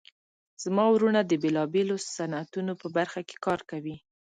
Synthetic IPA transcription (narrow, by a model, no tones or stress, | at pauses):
z̥mɑwɾunad̪əbelɑbelosanat̪unopəbaɾxake̥kɑɾkawi